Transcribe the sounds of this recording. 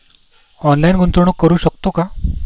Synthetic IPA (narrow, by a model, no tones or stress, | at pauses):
ɔnlajinɡʱunt̪ɾoɽ̃okːəɾuːɕək̚t̪oka